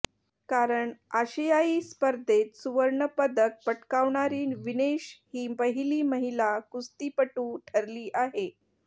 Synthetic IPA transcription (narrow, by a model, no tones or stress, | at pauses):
kaɾəɳaɕəjaiːspəɾd̪ʱet̪suʋəɾɳəpəd̪ək̚pəʈkaʋɳaɾiːnʋineɕhiːbəɦiliːməɦilakust̪iːpəʈuːʈʰəɾliːʔaɦe